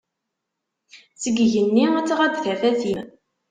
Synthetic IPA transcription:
t͡səɡʝənːiæt͡sːʁæd̪θæfæθjən

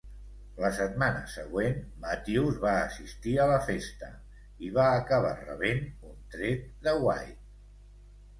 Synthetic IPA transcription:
ləsət̪manə̰səɣwenmət̪iwzβaːsist̪iələfest̪ə | iβaːkəβ̞a̰rə̰βenunt̪ɾet̪̚d̪əwa̰jt̪̚

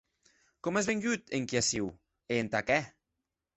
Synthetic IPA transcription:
kɔmezβeŋʎut̪eŋkiasiw | eːnt̪akɛ

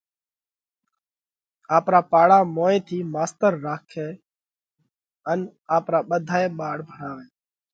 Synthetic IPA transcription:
aːpɾaːpaːɽaːmoːẽːt̪ʰiːmaːst̪əɾːaːkʰeː | ənaːpɾaːɓəd̪ʱaːeːɓaːɽbʱəɳaːʋeː

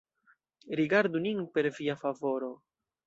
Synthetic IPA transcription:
ɾiɡaɾduninpe̞ɾviafavo̞ɾo̞

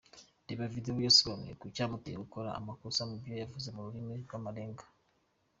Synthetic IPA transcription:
diβavidewujoslonḛkucaːmuteɡukoɾa̰ːmakusamubjojavuze̞muɾuɾimiɾɡwamaɾeːŋɡḁ

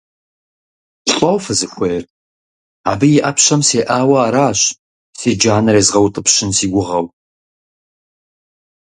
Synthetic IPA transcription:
ɬʼɔwfɨzɨxʷejr | a̰ːbɨjɪʔɐpɕɐmseːʔaːwɐaːɾaːɕ | seːd͡ʒaːnɐɾeːzʁɐwtʼəpɕɪnsiːɡʷʊʁɐw

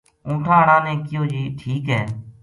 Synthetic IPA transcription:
ũːʈʰãːɦəɽãːnɛ̃ːkɪjoːd͡ʒiːʈʰiːkɦɛː

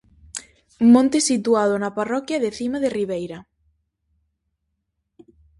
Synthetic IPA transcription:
mõnt̪esit̪uað̞onaparɔkjaðeθimaðeriβ̞ejɾa

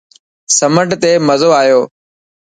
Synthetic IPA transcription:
səməʈt̪eːməzoːaːjoː

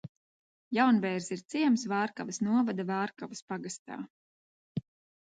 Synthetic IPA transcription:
jawnbɛːɾsiɾt̪siɛmsvaːɾkavɨsnuɔvad̪avaːɾkavɨspaɡast̪a̰ː

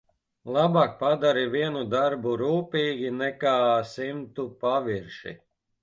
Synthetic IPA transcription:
lˠabaːk̚pad̪aɾiviɛnud̪aɾbuɾuːpiːɡʲinɛkaːsimt̪upaviɾʃḭ

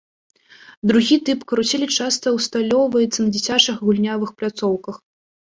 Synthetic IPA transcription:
d̪ɾuɣʲit̪ɨpkɐɾusʲɛlʲit͡ʂast̪ɐwst̪alʲɔwvɐjɛt̪sːɐnɐd͡zʲɛsʲat͡ʂɨxɣulʲnʲavɨxplʲat̪sɔwkɐx

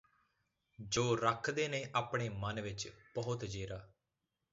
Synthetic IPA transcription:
d͡ʒoːɾəkʰd̪eːnẽːʔaːpɳ̃eːmənʋɪt͡ʃb̥əɦʊt̪d͡ʒeːɾaː

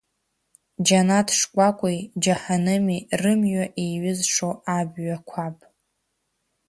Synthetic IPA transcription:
d͡ʒanatʰʂkʷʼakʷʼʊjd͡ʒaħanɨmirɨmɥaʔiɥʊzʂoabɥakʷʰapʼ

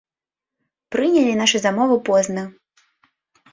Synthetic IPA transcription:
pɾɨnʲɛlʲinaʂɨzamɔvɨpɔznɐ

